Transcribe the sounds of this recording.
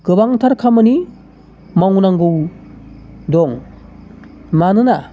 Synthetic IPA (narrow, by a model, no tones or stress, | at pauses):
ɡ̥ɯbaŋtʰaɾkʰamɯni | mawnaŋɡɯw | dɔŋ | manɯna